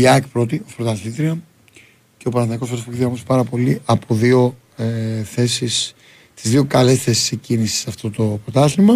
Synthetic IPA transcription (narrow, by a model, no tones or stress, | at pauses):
iɐkpɾo̞t̪̬iopɾot̪ɐlit̪ɾiɐ | ceopɐɾɐθnɐiko̞sfoopoizðiɐɐmuse̥pɐɾɐpo̞liʔɐpoðio̞ | θesis | t̪izðio̞kɐle̞sθe̞si̥secinisi̥sɐft̪o̞t̪o̞pɾot̪ɐsiŋmɐ